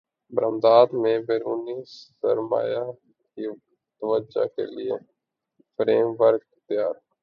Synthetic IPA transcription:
bɾəmd̪aːd̪mẽbeːɾuːniːssə̰ɾma̰ːja | ki | t̪əʋəd͡ʒa̰kḛlɪḛ | fɾeːmʋəɾk̚ | t̪ɪjaːɾ

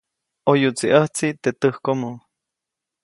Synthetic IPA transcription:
ojut͡siʔəht͡sit̪et̪əhkomo

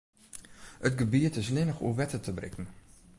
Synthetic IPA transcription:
ətɡəbiətɪslɪnəxṵəʋɛtətʰəbrɪ̰kn̩

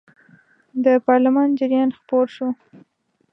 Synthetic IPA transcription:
d̪əpɑɾlamɑnd͡ʒɪɾjɑnxpoɾʃu

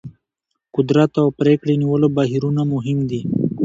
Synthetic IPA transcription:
kʊd̪ɾat̪awpɾekɽeniwəlobɑɦiɾunamʊɦɪmd̪i

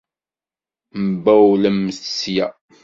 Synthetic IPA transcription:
məbæwləmːəssjæ̰

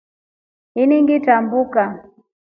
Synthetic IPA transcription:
iniŋɡitambuka

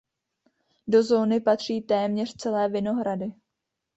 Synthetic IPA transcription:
do̞zo̞ːnɪpat̪r̝̥iːt̪ɛːmɲɛr̥t͡sɛlɛːvɪno̞ɦɾadɪ

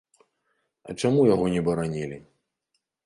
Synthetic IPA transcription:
ɐ̰t͡ʂamujaɣɔnʲɛbɐɾanʲilʲi

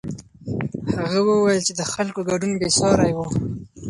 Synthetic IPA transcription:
haɣawəwajəlt͡ʃed̪əxalkoɡaɖunbesɑɾajwo

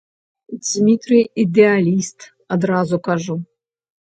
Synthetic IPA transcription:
d͡zʲmʲit̪ɾʲɨjid̪ɛalʲist̪ | ɐd̪ɾazukaʐu

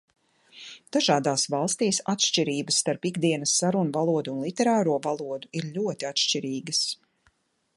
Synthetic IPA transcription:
d̪̥aʒaːd̪aːsvɑlˠst̪iːsat̪ʃt͡ʃiɾiːbəsːt̪aɾpiɡd̪iɛnɐsːaɾunuvalˠuɔd̪uːnlˠit̪ɛɾaːɾuɔvalˠuɔd̪uiɾʎʲuɔt̪iat̪ʃt͡ʃiɾiːɡɐs

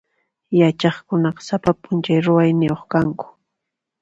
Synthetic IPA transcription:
jat͡ʃɑχkʊnɑqɑ̥sapapʊnt͡ʃajɾʊwajnɪjoχkaŋkʊ̥

